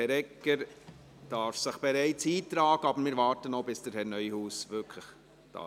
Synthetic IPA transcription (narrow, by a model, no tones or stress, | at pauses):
ɛɾɛkːəɾ | d̥ɑːɾfsəχb̥ɛɾæɪt͡siːtɾɑːɡ̥əɑbəɾmɪːɾʋɑːɾtənobɪsd̥əɾhɛɾnœʏhuːsʋʏkʰləχ | d̥ɑ̰